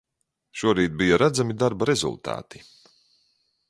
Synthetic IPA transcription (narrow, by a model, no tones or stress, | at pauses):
ʃuɔɾiːt̪̚bijaɾad̪zamid̪aɾbaɾezṵlˠt̪a̰ːt̪i̥